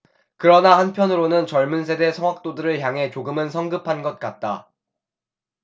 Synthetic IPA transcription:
kɯɾʌnahanpʰjʌnɯɾonɯnt͡ɕʌɭmunsʰe̞de̞sʰʌŋwak̚t͈odɯɾɯɭçjaŋɦe̞t͡ɕoɡɯmɯnsʰʌŋɡɯpʰanɡʌt̚k͈at̚t͈a

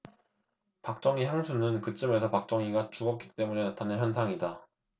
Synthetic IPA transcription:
pak̚t͡ɕ͈ʌŋiçjaŋsʰunɯnkɯt͡ɕ͈ɯme̞sʰʌpak̚t͡ɕ͈ʌŋiɡat͡ɕuɡʌk͈i̥t͈e̞mune̞natʰanɯnçjʌnsʰaŋida

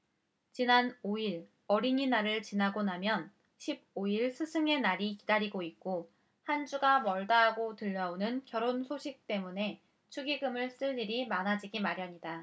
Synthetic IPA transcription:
t͡ɕinanoiɭ | ʌɾiɲinaɾɯɭt͡ɕinaɡonamjʌn | ɕʰib̚oiɭsʰɯsʰɯŋe̞naɾikidaɾiɡoik̚k͈o | hand͡ʑuɡamʌɭdaɦaɡotɯʎːʌonɯnkjʌɾonsʰoɕʰik̚t͈e̞mune̞ | t͡ɕʰuɡiɡɯmɯɭs͈ɯʎːiɾimanad͡ʑiɡimaɾijaɲida

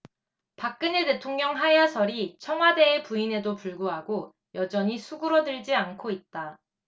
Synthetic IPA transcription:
pak̚k͈ɯne̞te̞tʰoŋɲʌŋɦajasʰʌɾit͡ɕʰʌŋwade̞ːpuine̞dopuɭɡuɦaɡo | jʔʌd͡ʑʌɲisʰuɡɯɾʌdɯɭd͡ʑiankʰoit̚t͈a

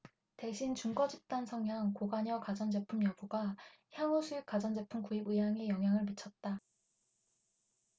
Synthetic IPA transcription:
te̞ɕʰint͡ɕuŋɡʌd͡ʑip̚t͈ansʰʌŋjaŋkoɡaɲʌkad͡ʑʌnd͡ʑe̞pʰumjʌbuɡa | çjaŋosʰuik͈ad͡ʑʌnd͡ʑe̞pʰumkuibɯjaŋe̞jʌŋɦjaŋɯɭmɯt͡ɕʰʌt̚t͈a

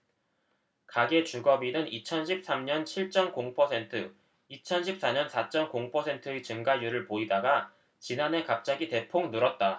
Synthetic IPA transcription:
kaɡe̞t͡ɕuɡʌbinɯnit͡ɕʰʌnɕʰip̚s͈amɲʌnt͡ɕʰiɭt͡ɕ͈ʌnkoŋpʰʌsʰe̞ntʰɯ | it͡ɕʰʌnɕʰip̚s͈aɲʌnsʰat͡ɕ͈ʌmkoŋpʰʌsʰentʰɯet͡ɕɯŋɡajuɾɯɭpoidaɡa | t͡ɕinanɦe̞kap̚t͡ɕ͈aɡite̞pʰoŋnuɾʌt̚t͈a

